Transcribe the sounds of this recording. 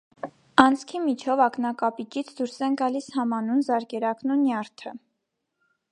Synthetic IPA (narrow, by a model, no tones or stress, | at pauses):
ɑnt͡sʰkʰimit͡ʃʰɔvɑknɑkɑpit͡ʃit͡sʰd̪uɾsɛnɡɑlishɑmɑnunzɑɾkɛɾɑknunjɑɾt̪ʰə